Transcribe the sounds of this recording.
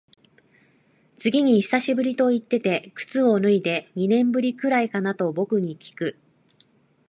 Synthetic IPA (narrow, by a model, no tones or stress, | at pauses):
t͡sɨɡʲiɲ̟içi̥saɕibɯ̟ɾʲit̪o̞it̪ːe̞t̪e̞kɯ̟̥t͡sɨo̞nɯ̟id̪e̞ɲ̟inẽ̞mbɯ̟ɾʲikɯ̟ɾaikanat̪o̞bo̞kɯ̟ɲ̟ikʲi̥kɯ̟